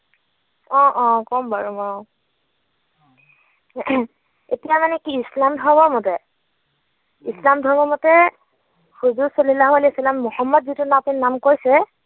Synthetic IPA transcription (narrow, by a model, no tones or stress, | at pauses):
ɔ̃ʔɔ̃kɔmbaɹɔmɔ | etijamanɛkiːslamdʱɔbɔɹmɔtɛ | islamdʱɔbɔmɔtɛ | huzuɹsolilaɦualɛsalamːʊhɔmːɔdzitʊnapinnamkojsɛ